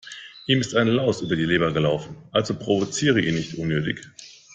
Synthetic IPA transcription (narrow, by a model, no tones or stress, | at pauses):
ʔiːmɪstaɪnlaʊsʔyːbɐdiːleːbɐɡəlaʊfn̩ʔalzopʁ̥ovot͡siːʁ̞əʔḭːnɪçtʔʊnːøːtɪ̰ç